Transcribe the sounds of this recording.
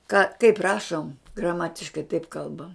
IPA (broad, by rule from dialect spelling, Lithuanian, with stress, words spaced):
kɐ kɐɪp ˈrɑːʃoːm ɡrɐˈmɑːtʲɪʃkɐɪ tɐɪp ˈkɐlˠbɐm